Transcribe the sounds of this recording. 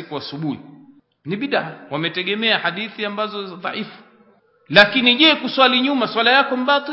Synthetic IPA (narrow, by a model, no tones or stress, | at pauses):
ikuasuɓuhḭ | niɓiɗahawamɛtɛɠɛmɛahaɗiθiambazɔzaðˤɑ̰ʕifu̥ | lakiniʄɛkuswaliɲumaswalajakɔmbatu